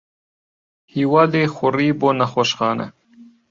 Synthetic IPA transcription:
hiwaːlexʊɾibonaxoʃxɑːna̰

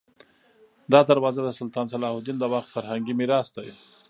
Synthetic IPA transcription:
d̪ɑd̪aɾwɑzad̪əsʊlt̪ɑnsalɑhʊd̪ind̪əwaxt̪faɾhaŋɡimiɾɑsd̪aj

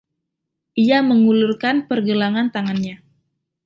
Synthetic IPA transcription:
ʔiaməŋulurkanpərɡəlaŋant̪aŋanɲa

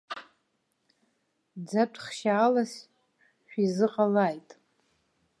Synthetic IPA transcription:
d͡zaʈ͡ʂʰʼχʃaːlas | ʃᶣizɨqʼalajtʼ

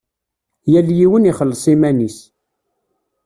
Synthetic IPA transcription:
jæljiwəniχəlːsˤimænis

